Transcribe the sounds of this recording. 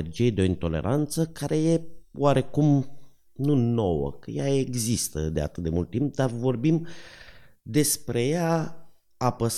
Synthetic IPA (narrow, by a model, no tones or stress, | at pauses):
erd͡ʒijed̪eo̞int̪o̞le̞̰ɾʔant̪səkaɾe̞je̞waɾe̞kum | nuno̞wə̰kəjaeɡzist̪ə̰d̪e̞a̰t̪ɨt̪̚d̪e̞mult̪ːimp̚d̪arvo̞rbim | d̪e̞spɾe̞ja | apəs